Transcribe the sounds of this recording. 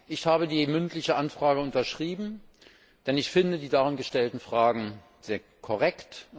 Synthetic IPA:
ʔɪçhaːbədiːmʏntlɪçəʔanfʁ̥aːɡəʊntɐʃʁ̥iːbm̩ | d̥ɛnɪçfɪndədiːdaʁɪnɡəʃtɛltn̩fʁ̥aːɡŋ̩ | zeːɐkʰɔʁ̞ɛkt

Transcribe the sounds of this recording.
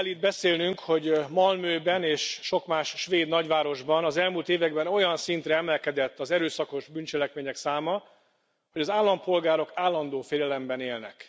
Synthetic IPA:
ɛlːiːd̪̚bɛseːlnyŋkho̞ɟmɒlmøːbɛneːʃʃo̞kmaːʃʃʋeːd̪nɒɟʋaːɾo̞ʒbɒnɒzɛlmuːlt̪eːvɛɡ̚bɛno̞jɒnsint̪ɾɛɛmɛlkɛd̪ɛt̪ːɒzɛɾøːsɒko̞ʒbynt͡ʃɛlɛkmeːɲɛksaːmɒ | hoɟɒzaːlːɒmpo̞lɡaːɾo̞kaːlːɒnd̪oːfeːlɛlɛmbɛneːlnɛ̰k

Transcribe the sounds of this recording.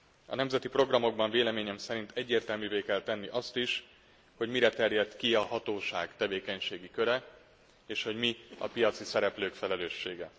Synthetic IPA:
ɒ̰nɛmzɛt̪ipro̞ɡrɒmo̞ɡ̚bɒɱveːlɛmeːɲɛmsɛɾin̪t̪ɛɟːeːrt̪ɛlmyveːkɛlt̪ɛnːiʔɒst̪iʃ | ho̞ɟmiɾɛt̪ɛrjɛt̪kiɒhɒt̪oːʃaːɡt̪ɛveːkɛɲʃeːɡikø̞ɾɛ | eːʃho̞ɟmiɒ̰pijɒt̪sisɛɾɛpløːkfɛlɛløːʃːḛːɡɛ

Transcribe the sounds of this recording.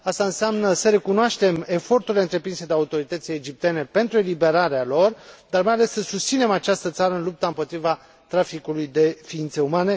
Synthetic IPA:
ast̪aɨnseamnəsəɾe̞kunoaʃt̪e̞me̞fo̞rt̪uɾileɨnt̪ɾe̞pɾinse̞d̪eaut̪o̞ɾit̪ət̪sijed͡ʒip̚t̪e̞ne̞pe̞nt̪ɾue̞libe̞ɾaɾealo̞rd̪armajale̞ssəsust̪sine̞mat͡ʃast̪ət̪saɾəɨnlup̚t̪aɨmpo̞t̪ɾiva | t̪ɾafikulujd̪e̞fiint̪seumane̞

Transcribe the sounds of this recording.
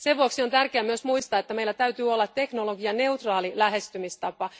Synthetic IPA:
seʋʋuoksio̞nt̪ærkkeæmyøsmuist̪ɑːet̪ːæmeilːæt̪æyt̪yːolːɑt̪t̪ːe̞knoloɡiɑne̞ut̪rɑːlilæɦest̪ymist̪ɑpɑ

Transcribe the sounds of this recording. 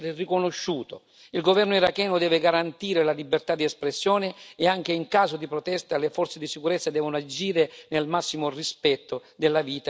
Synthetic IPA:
ɾɪrikʊnʊʃːuːt̪o | ilɡovɛrnʊiɾakɛːnʊd̪ɛːvɪɡaɾant̪iːɾelalibːert̪ad̪iɛspɾesːjɔːnɪːaŋk̟eiŋkaːzʊd̪ipɾɔt̪ɛst̪alefɔrt̪sed̪isikuɾɛt̪sːad̪ɛːvʊnʊad͡ʒiːɾenelmasːimʊrispɛt̪ːʊd̪elːaviːt̪a

